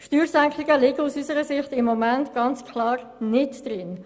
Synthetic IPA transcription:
ʃtyːɾsæŋkʰlɪɡəlɪɡəusysəɾəsɪχtɪmːɔmɛntɡ̥ɑnt͡skʰlɑːr | nɪtd̥ɾɪn

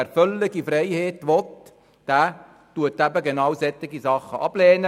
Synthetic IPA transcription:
æɾfœlːɪɡifɾɛɪheːtʋɔt | d̥æː | tuətːæbəɡenɑwsɛt̪ːɪɡisɑχːəʔɑb̥lɛːnə

